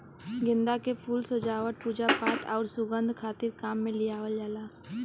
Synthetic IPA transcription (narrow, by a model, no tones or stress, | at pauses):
ɡɪ̃nd̪akepʰuːlsəd͡ʒaːʋəʈ̪̚puːd͡ʒapaːt̪ɔːɾsʊɡə̃nd̪ʱkʰaːt̪ɪɾkaːmːẽlɪjaːʋəld͡ʒaːlaː